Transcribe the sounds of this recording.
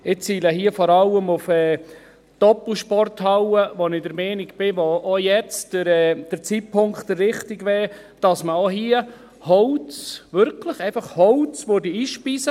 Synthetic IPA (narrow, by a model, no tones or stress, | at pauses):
ɪt͡siːləɦiəfɔɾɑlːəmufɛː | d̥ɔpl̩ʃpɔrthɑwəʋɔnɪdəɾmɛːniɡb̥ɪʋɔojɛt͡sd̥əɾɛːd̥əɾt͡siːt̚pʰʊŋkχtərːɪχtiɡʋɛː | d̥ɑsməoɦiə | hɔwt͡sʋʏɾkʰləχɛɪfɑχhɔwt͡sʋodiiːʃpisə